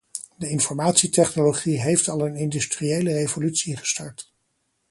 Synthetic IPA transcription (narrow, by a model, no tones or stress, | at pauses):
dəɪnfɔɹmaːtsitɛχnoloχiɦejftɑlˠənɪndystriejlərevolytsiχə̥stɑɹt